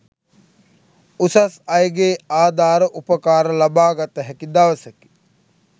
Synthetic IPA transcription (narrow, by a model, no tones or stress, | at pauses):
usɐsɐjɡeːaːd̪aːɾəʔupəkaːɾəlabaːɡat̪ːəɦɛkid̪aʋɐseki̥